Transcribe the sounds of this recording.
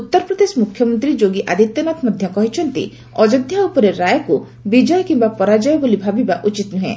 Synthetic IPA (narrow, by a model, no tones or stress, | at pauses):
ut̪ːɔɾɔpɾɔd̪esɔmukʰjɔmɔnt̪ɾid͡ʒoɡiʔad̪ʱit̪jɔnat̪mɔd̪ʱjɔkɔɦit͡ʃʰɔnt̪ḭ | ɔd͡ʒɔd̪ʱjaupɔɾeɾajɔku | bid͡ʒɔjɔkimbapɔɾad͡ʒaebolibʱabibaʔut͡ʃit̪nuɦḛ̃